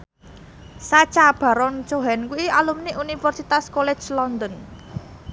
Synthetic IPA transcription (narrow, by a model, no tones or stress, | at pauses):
sat͡ʃab̥a̤ɾɔnt͡ʃoɦɛnkuialumneʔunifɛrsit̪askolɛ̥d͡ʒlɔnd̪ɔn